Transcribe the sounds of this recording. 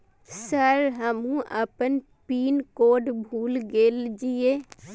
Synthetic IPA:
səɾɦəmũʔə̰pən | piːnkoːɖbʱuːlɡeːld͡ʒieː

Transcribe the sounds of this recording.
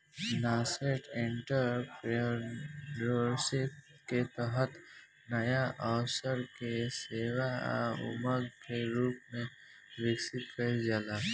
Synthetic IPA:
naːseʈʰẽɳʈəɾpɾ | oɾsɪp̚ | ket̪əɦət̪ | nəjaʔɔwsəɾkeseːwa̰ʊ̰məɡkeɾuːpmẽ | ʋɪksɪt̪kəɾd͡ʒaːla

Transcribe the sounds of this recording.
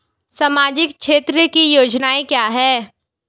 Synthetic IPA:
sɐmaːd͡ʑɪkʃʰeːt̪ɾəkijoːd͡ʒnaːekjaːɦɛː

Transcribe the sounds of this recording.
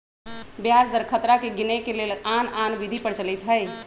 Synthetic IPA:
bjad͡ʒd̪əɾkʰət̪ɾakeɡinekelelananbid̪ʱipəɾt͡ʃəlit̪ɦəj

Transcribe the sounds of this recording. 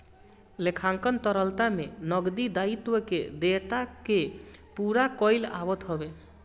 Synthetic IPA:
lekʰaŋkənt̪ɔɾɔlt̪amenɔɡd̪id̪ait̪wɔked̪et̪akepuɾakɔjla̰bɔt̪ɦɔbe

